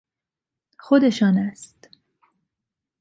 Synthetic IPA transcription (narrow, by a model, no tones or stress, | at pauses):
xod̪eʃɒːnæst̪